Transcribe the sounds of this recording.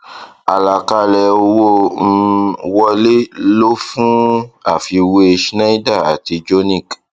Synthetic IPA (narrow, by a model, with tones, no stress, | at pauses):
a˨la˨ka˧lɛ˨o˧wõ˦˨˧ | wɔ˧le˦lo˦fũ˦a˦˨fi˧we˦˧ʃna˦i˦da˦˨a˨ti˧d͡ʒo˦nĩ˦˨k